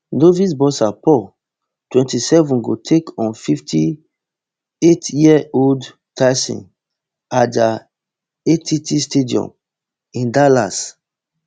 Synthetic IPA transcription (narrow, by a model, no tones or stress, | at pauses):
novisbɔsapɔ | twɛ̃ntisɛvɔ̃nɡotʰekɔ̃nfiftʰi | etjiɛold | taɪsḭ̃n | ada | etʰitistediɔ̰̃m | ĩndalas